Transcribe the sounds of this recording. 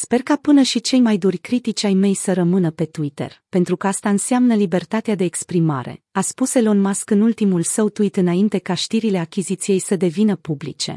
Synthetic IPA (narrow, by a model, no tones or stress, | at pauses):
spe̞rkapɨnəʃit͡ʃe̞jmajd̪urʲkɾit̪it͡ʃʲajme̞jsəɾəmɨnəpe̞t̪uit̪e̞̰rpe̞nt̪ɾukəast̪aɨnseamnəlibe̞rt̪at̪ead̪e̞ːkspɾima̰ɾe̞̰aspuse̞lonmaskɨnult̪imulsəwt̪uit̪ɨnaint̪e̞kaʃt̪iɾile̞akʲizit̪sije̞jsəd̪e̞vinəpublḭt͡ʃe̞̰